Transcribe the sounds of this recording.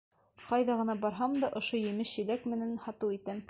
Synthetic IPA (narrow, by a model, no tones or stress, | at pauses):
qɑjðɑʁɤ̆nɑbɑɾɦɑmd̪ɑʔŏʃojɘ̆mɘʃɘ̆lækmɘ̆nænhɑt̪ɤwit̪ɘm